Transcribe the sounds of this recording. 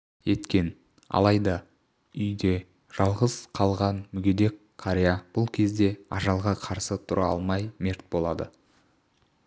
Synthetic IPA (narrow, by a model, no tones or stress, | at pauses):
e̞t̪kʲe̞n | ɑ̰lˠɑjd̪ɑ | ʏjd̪e̞ | ʒ̥ɑlˠʁəz̥qʰɑlˠʁɑnmʏɡʲe̞d̪e̞kʲʰːaɾʲejab̥ʊlˠkʲʰe̞zd̪e̞ɑʒɑlˠʁɑqʰɑɾsət̪ʰʊɾɑɑ̰lˠmɑjme̞ɾt̪̚bo̞lˠɑd̪ə